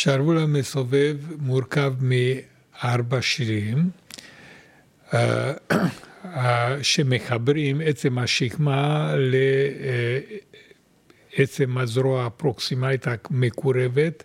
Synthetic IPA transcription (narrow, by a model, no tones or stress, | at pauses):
ʃaɾvulamesove̞vmuɾkavmi | aɾbaʃilim | aʃemexabɾimet͡se̞mhaʃiχmale | et͡se̞mazɾoaːpɾoksimait̪amekuɾevet̪